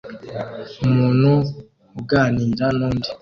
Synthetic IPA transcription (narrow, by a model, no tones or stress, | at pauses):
munu | uɡanindanondi